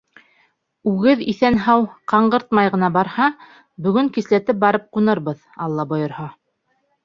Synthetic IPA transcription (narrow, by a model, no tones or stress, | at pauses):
ʉɡɘðiθænɦɑwqɑɴɢɤ̆ɾt̪mɑjʁɤ̆nɑbɑɾhɑ | bɵ̆ɡɵŋkislæt̪ɘp̚bɑɾɤp̚qunɤɾβɤð | ɑlˠːɑbŏjɤ̆ɾhɑ